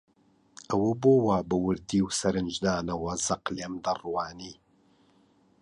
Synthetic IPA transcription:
ɐwɐboːwaːbɐwɨɾd̪iːwsɐɾɨnd͡ʒd̪aːnɐwɐzɐqlemd̪ɐrwaːniː

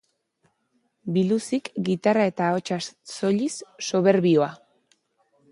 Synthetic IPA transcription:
bilusikɡit̪arae̞t̪ao̞t͡ʃaso̞ʎisːo̞β̞e̞ɾβioa

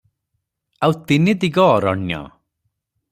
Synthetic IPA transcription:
awt̪inid̪iɡɔːɾɔ̰ɳjɔ̰

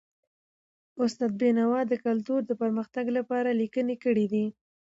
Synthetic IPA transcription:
ʊst̪ɑd̪̚benawɑd̪əkalt̪uɾd̪əpəɾməxt̪aɡlapɑɾalikənekəɽid̪i

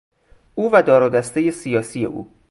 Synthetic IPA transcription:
ʔuːvæd̪ɒːɾuːd̪æst̪eje̞sijɒːsije̞̰ʔṵː

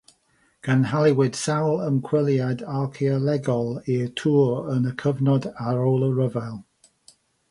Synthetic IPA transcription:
ɡ̥ʰənɦalˠɪwɪd̥sawlˠəmkʰw̥ɪlˠjadalˠkʰeəlɛɡɔlˠitʰuːɹənəkʰəvnɔdaɾɔːlˠəɹəvalˠ

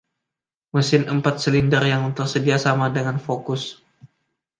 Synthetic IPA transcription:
məsɪnəmpat̪̚səlindərjaŋt̪ərsədiasamadəŋanfokʊs

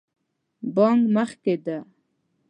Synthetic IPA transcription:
boŋɡməχked̪a

